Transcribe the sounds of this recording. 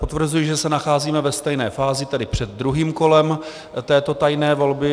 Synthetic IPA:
pot̪vr̩zujɪʒɛsɛnaxaːziːmɛvɛst̪ɛjnɛːfaːzɪt̪ɛdɪpr̝̥ɛd̪̚ːɾuɦiːmko̞lɛm | t̪ɛːt̪o̞t̪ajnɛːvo̞lbɪ

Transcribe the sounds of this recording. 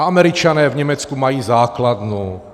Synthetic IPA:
amɛɾit͡ʃanɛːvɲɛmɛt͡skumajiːzaːklad̪nuː

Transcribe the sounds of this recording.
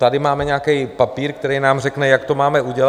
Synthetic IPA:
t̪adɪmaːmɛɲakɛjpapiːɾkt̪ɛɾɛjnaːmr̝ɛknɛjakt̪o̞maːmɛʔuɟɛl

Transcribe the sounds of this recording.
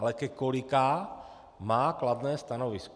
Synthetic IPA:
alɛkɛkolikaː | maːklad̪nɛːst̪anovisk

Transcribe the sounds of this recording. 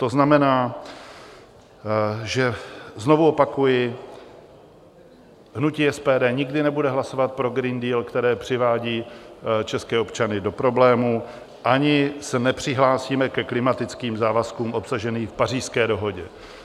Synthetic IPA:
t̪o̞znamɛnaː | ʒɛzno̞vuo̞pakujɪ | ɦnuciːɛspɛːdɛːɲɪɡdɪnɛbudɛɦlaso̞vat̪̚pɾo̞ɡɾindiːlkt̪ɛɾɛːpr̝̥ɪvaːɟiːt͡ʃɛskɛːo̞pt͡ʃanɪdo̞pɾo̞blɛːmu | ʔaɲɪsɛnɛpr̝̥ɪɦlaːsiːmɛkɛklɪmat̪ɪt͡skiːmzaːvaskuːmʔo̞psaʒɛniːfpar̝iːskɛːdo̞ɦo̞ɟɛ

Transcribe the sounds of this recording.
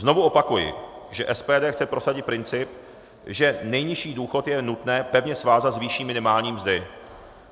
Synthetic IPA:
zno̞vuʔo̞pakujɪ̰ | ʒɛʔɛspɛːdɛːxt͡sɛpɾo̞saɟɪt̪̚pɾɪnt͡sɪp̚ | ʒɛnɛjɲɪʃiːduːxo̞t̪jɛnut̪nɛːpɛvɲɛsvaːzat̪zviʃiːmɪnɪmaːlɲiːmzdɪ

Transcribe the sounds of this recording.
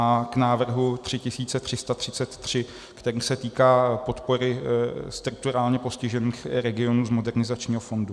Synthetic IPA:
aknaːvr̩ɦut̪r̥ɪcɪsiːtt͡sɛt̪r̝̥ɪst̪at̪r̥ɪt͡sɛt̪ːr̥ɪ | kt̪ɛɾiːsɛt̪iːkaːpo̞t̪po̞ɾɪst̪ɾʊk̚t̪uɾaːlɲɛpo̞scɪʒɛniːxɾɛɡɪo̞nuːzmo̞dɛrnɪzat͡ʃɲiːɦofo̞ndu

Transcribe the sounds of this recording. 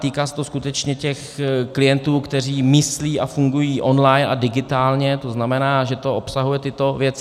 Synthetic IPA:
t̪iːkaːsɛ̥t̪o̞skut̪ɛt͡ʃɲɛcɛxklɪjɛnt̪uːkt̪ɛr̝iːmɪsliːʔafuŋɡujiːʔo̞nlajna̰dɪɡɪt̪aːlɲɛt̪o̞znamɛnaːʒɛt̪o̞ʔopsaɦujɛt̪ɪt̪o̞vjɛt͡sɪ

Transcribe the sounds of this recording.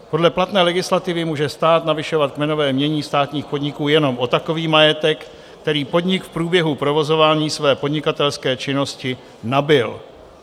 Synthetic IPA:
po̞dlɛplat̪nɛːlɛɡɪslat̪ɪvɪmuːʒɛst̪aːt̪navɪʃo̞vat̪̚kmɛno̞vɛːmɲɛɲiːst̪aːt̪ɲiːxpo̞d̪ɲɪkuːjɛno̞mʔo̞t̪ako̞viːmajɛt̪ɛk | t̪ɛɾiːpo̞d̪ɲɪkfpɾuːbjɛɦupɾo̞vo̞zo̞vaːɲiːsvɛːpo̞dɲɪkat̪ɛlskɛːt͡ʃɪno̞scɪ | nabɪl

